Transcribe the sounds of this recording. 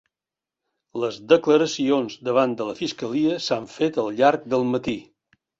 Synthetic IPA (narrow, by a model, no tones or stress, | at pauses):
ləzd̪əkləɾəsionzd̪əβand̪ələfiskəliəsaɱfet̪əlˠʎaɾk̚d̪əlˠmət̪i